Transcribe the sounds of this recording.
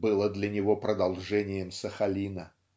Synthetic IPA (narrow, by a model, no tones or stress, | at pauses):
bɨlˠəd̪lʲɐnʲɪvo̞pɾəd̪ɐlˠʐɛnʲɪjəmsəxɐlʲinə